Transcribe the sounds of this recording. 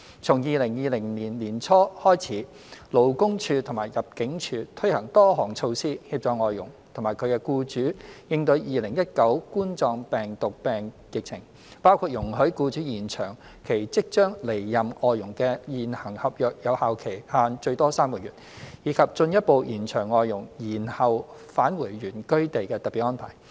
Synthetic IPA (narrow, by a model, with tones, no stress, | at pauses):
t͡sʰʊ˨˩ŋjiː˨˧lɪ˨˩ŋjiː˨˧lɪ˨˩ŋniː˨˩nliː˨˩nt͡sʰɔː˥hɔː˥jt͡sʰiː˨˥ | lo˨˧wkʊ˥ŋt͡ʃʰyː˧t̪ʰʊ˨˩ŋmaː˨˩jɐ˨p̚kɪ˨˥ŋt͡ʃʰyː˧t̪ʰɵ˥ɥhɐ˨˩ŋt̪ɔː˥ɦɔː˨˩ŋt͡sʰo˧wsiː˥hiː˧p̚t͡ʃɔː˨˧ŋɔː˨jːʊ̰˨˩ŋt̪ʰŋmaː˨jkʰɵ˨˧ɥkɛ˧kuː˧t͡ʃyː˨˥jɪ˧ŋt̪ɵ˨˧ɥjiː˨lɪ˨˩ŋjɐ˥t̚kɐ˨˥wkuː˥nt͡sɔː˧ŋpɛː˨˩ŋt̪ʊ˨k̚pɛː˨˩n | jɪ˨k̚t͡sʰɪ˨˩ŋ | paː˥wkʰuː˧t̚jʊ˨˩ŋɦɵ˨˥ɥkuː˧t͡ʃyː˨˥jiː˨˩nt͡ʃʰœː˨˩ŋ | kʰe˨˩jt͡sɪ˥k̚t͡ʃœː˥ŋle˨˩jːɐ˨mʔɔː˨jjʊ˨˩ŋkɛ˧jiː˨˩nhɐ˨˩ŋhɐ˨p̚jœː˨˩k̚jɐ˨˧whaː˨˧wkʰe˨˩jhaː˧nt͡ʃɵ˧ɥt̪ɔː˥saː˥mkɔː˧jyː˨t̚jiː˨˧kʰɐ˨p̚t͡ʃɵ˧njɐ˥t̚po˨˧wjiː˨˩nt͡ʃʰœː˨˩ŋːɔː˨jːʊ˨˩ŋjiː˨˩nhɐ˨wfaː˨˥nwuː˨˩jɥyː˨˩nkɵ˥ɥt̪e˨jkɛː˧t̪ɐ˨t̚pi˨˩t̚ːɔː˥pʰa̰ː˨˩j